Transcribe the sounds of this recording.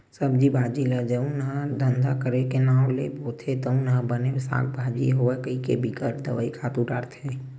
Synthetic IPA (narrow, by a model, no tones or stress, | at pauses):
səbd͡ʒibʱaːd͡ʒiləd͡ʒəũnɦãd̪ə̃nd̪akəɾekenaːleboːt̪ʰet̪əũnɦãbənesa̰ːk̚ʰbʱaːd͡ʒiɦoekəikebʱikəɾd̪əʋəːikʰaːt̪ũɖaːɾt̪ʰɦe